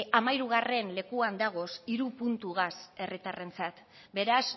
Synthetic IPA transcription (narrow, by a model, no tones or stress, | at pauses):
amajɾuɣare̞nle̞kuand̪aɣ̞o̞siɾupunt̪uɣ̞ase̞rit̪are̞nt͡sat̪ | be̞ɾas